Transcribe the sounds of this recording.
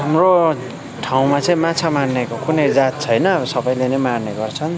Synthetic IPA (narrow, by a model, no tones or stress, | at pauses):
ɦamro | ʈʰaw̃mat͡sʌĩmat͡sʰamarnekokunʌjd͡zat̪̚t͡sʰʌjnʌbʌsʌbʌjlenemarneɡʌrt͡sʰʌn